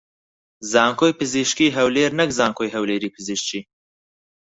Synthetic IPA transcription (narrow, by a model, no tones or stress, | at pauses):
zɑːŋkʰoːjpɨziʃkiːɦɐwleːɾnɐkzaːŋkʰoːjɦɐwleːɾiːpʰɨziʃt͡ʃiː